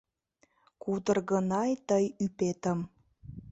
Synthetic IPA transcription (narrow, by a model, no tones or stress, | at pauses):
kud̪ərɣənɑjt̪əjypet̪əm